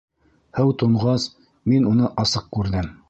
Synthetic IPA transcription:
hɘwt̪ŏɴʁɑs | minunɤʔɑsɤq̚kʉɾðɘm

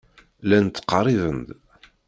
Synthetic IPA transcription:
lænt̪ːə̥qrˤiðənd̪

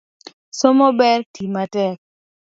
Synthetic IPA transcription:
somobɛrtimatɛk̚

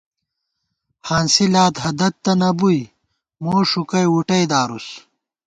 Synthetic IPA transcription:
haːnsilaːt̪ɦɐd̪ɐt̪̚ːɐnɐbuj | moːʂukɐjuʈɐjd̪aːɾus

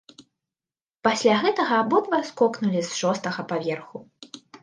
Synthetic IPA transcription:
pasʲlʲaɣɛt̪ɐɣɐːbɔd̪vɐskɔknulʲizʂɔst̪ɐɣɐpavʲɛrxu

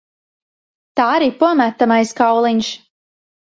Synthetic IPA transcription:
t̪aːaɾiːpuɔmæt̪ːamajskawlˠiɲʃ

